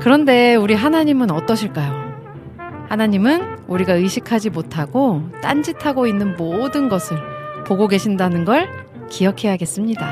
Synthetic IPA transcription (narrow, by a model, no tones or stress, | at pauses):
kɯɾʌnde̞uɾiɦanaɲimɯnʌt͈ʌɕʰiɭk͈ajo | hanaɲimɯnuɾiɡaɯɕʰikʰad͡ʑimotʰaɡot͈and͡ʑitʰaɡoinːɯnmodɯnɡʌsʰɯɭpoɡoɡe̞ɕʰindanɯnɡʌɭ | kijʌkʰe̞jɦaɡe̞s͈ɯmɲida